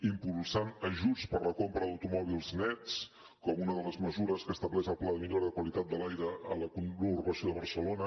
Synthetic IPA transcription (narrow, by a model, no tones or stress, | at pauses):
impulˠsanəʒut͡spəɾləkompɾəðəwt̪umɔβ̞ilˠznɛt͡s | kɔmunəðələzməzuɾəskəst̪əβlɛzəlˠplaðəmiʎoɾəðəkwəlit̪at̪̚d̪əlajɾəːləkunuɾβəsioðəβəɾsəlonə